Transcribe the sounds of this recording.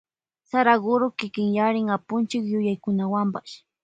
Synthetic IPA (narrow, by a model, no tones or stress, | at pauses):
saɾaɢʊɾʊkɪkɪŋjaɾɪŋapʊnt͡ʃɪkjʊjajkʊnawampaʃ